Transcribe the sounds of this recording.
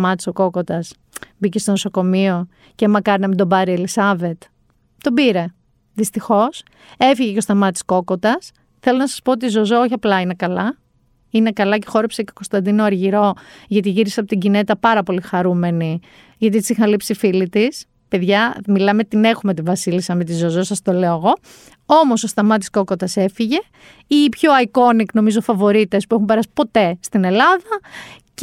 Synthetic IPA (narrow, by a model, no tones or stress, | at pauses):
mɐt̪i̥soko̞ko̞t̪ɐs | bicest̪onoso̞ko̞mio̞ | cemɐkɐɾinɐmind̪o̞bɐɾielisɐve̞t̪ | t̪o̞biɾe̞ | ðist̪ixo̞s | e̞fiʝeceost̪ɐmɐt̪i̥sko̞ko̞t̪ɐs | θe̞lo̞nɐsɐ̥spoot̪izo̞zooçiɐplɐine̞kɐlɐ | ine̞kɐlɐce̞̥xo̞ɾepseceo̥ko̞st̪ɐnd̪inoɐɾʝiɾo̞ʝɐt̪iʝiɾiseɐpot̪iɟine̞t̪ɐpɐɾɐpo̞lixɐɾume̞ni | ʝɐt̪it̪i̥sixɐnlipsifilit̪is | pe̞ðʝɐmilɐme̞t̪ine̞xumet̪ivɐsilisɐmit̪izo̞zo̞sɐst̪o̞leoɣo̞ | o̞mo̞so̞st̪ɐmɐt̪i̥sko̞kot̪ɐse̞fiʝe̞ | ipço̞ɐiko̞nikno̞mizofɐvo̞ɾit̪e̞spuexumpeɾɐsi̥po̞t̪e̞st̪ine̞lɐðɐc